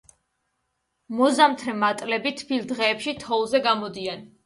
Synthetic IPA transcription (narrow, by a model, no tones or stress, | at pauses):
mɔzamt̪ʰɾɛmat̪ʼlɛbit̪ʰpʰilˠd̪ʁɛːpʃit̪ʰɔlˠzɛɡamɔd̪ian